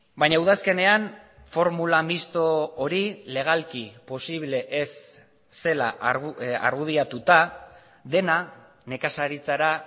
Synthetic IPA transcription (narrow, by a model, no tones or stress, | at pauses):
bajɲauðaske̞ne̞anfo̞ɾmulamist̪o̞oɾile̞ɣ̞alkipo̞siβle̞ʔesː | e̞la̰ | a̰ɾɣuðiat̪ut̪a | ðe̞na | ne̞kasaɾit͡saɾa